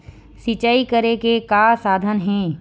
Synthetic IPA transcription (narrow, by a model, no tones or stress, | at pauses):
sɪt͡ʃaːikəɾekekaːsaːd̪ʱənɦɛ̃ː